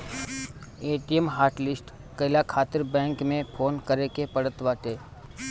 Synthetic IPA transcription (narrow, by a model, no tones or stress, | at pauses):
eːʈijəmɦaːɾʈlɪsʈ | kɐɪlakʰaːt̪ɪɾbɛ̃ːŋkmẽpʰoːnkəɾekepɐɽət̪ʋaːʈ̪eː